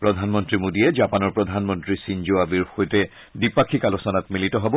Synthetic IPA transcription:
pɹɔdʱanmɔntɹimodijɛd͡ʒapanɔɹpɹɔdʱanmɔntɹisind͡ʒoabiɹxojtɛ | dipakʰikalosɔnatmilitɔɦɔbɔ

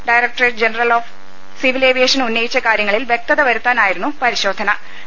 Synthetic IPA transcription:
ɖɐjrɐk̚ʈreʈd͡ʑenɐrɐloːf | siʋileːʋijeːʂɐnunːɐjit͡ɕːɐkaːɾjɐŋːɐɭilʋjek̚t̪ɐðɐʋɐɾut̪ːaːnaːjiɾunːupɐɾiɕo̞ːd̪ʱːɐɳɐ

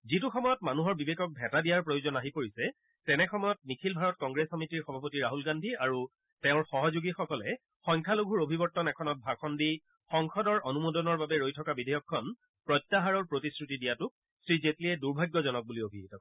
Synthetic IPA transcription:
zituxɔmɔjɔtmanuɦɔɹbibekɔk̚bʱɛtadijaɹpɹojozɔnaɦipoɹisɛ | tɛnɛxɔmɔjɔt̚nikʰilbʱaɹɔt̚kɔŋɡɹesɔmitiɹxɔbʱapotiɹaɦulɡandʱiaɹu | tɛʊ̃ɹxɔɦɔzuɡixɔkɔlɛ̰ | xɔjŋkʰaloɡʱuɹobʱibɔɹtːɔnɛkʰɔnɔt̚bʱakʰɔndi | xɔŋxʰɔdɔɹonumodɔnɔɹbabɛɹojtʰɔkabidʱejɔkʰːɔn | pɹɔjtːaɦaɹɔɹpɹotisɹutidijatʊk̚ | sɹizetliɛduɹbʱaɡːɔzɔnɔk̚buliobʱietɔk

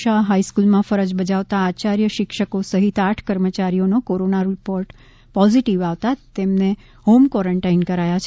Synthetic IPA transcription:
aɦaiskulmãfəɾəd͡ʒbəd͡ʒaʋt̪aːt͡ʃaɾjəʃɪkʃəkosəɦit̪aʈʰkəɾmət͡ʃaɾijonokoɾonaɾipoɾʈ | pɔziʈiʋaʋt̪at̪emne | homkɔɾəɳʈainkəɾajat͡ʃʰ

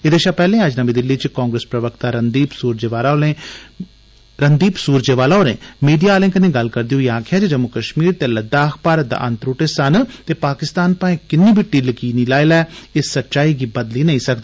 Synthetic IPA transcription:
ɪd̪eːʃaːpɛːlẽːəd͡ʒnəmĩːd̪ɪlːiːt͡ʃkãːŋɡɾeːspɾəʋəkt̪aːɾənd̪iːpsuːɾd͡ʒeːʋaːlalẽː | ɾənd̪iːpsuːɾd͡ʒeːʋaːlaoːɾḛ̃ːmiːɖijalẽːkənẽːɡəlkəɾd̪ioiaːkʰjaːd͡ʒed͡ʒəmʊkəʃmiːɾt̪eːləd̪ːakʰpaːɾət̪̚d̪a̰ːʔənt̪ɾoːʈeːsənt̪eːpaːkɪst̪aːnpãːẽːkɪnːiːbʱɪʈːilkiːniːlaːelɛːɪsːətːʃaːiːɡiːbəd̪liːnəĩːsəkd̪aː

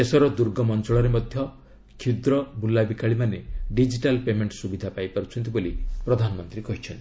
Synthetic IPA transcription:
esɔɾɔd̪uɾɡɔmɔnt͡ʃɔɭɔɾemɔd̪ʱjɔ | kʰud̪ɾɔbulːabikaɭimaneɖid͡ʒiʈalpemeɳʈsubid̪ʱapajpaɾut͡ʃʰɔnt̪̬ibolipɾɔd̪ʱanɔmɔnt̪ɾikɔɦit͡ʃʰɔnt̪i

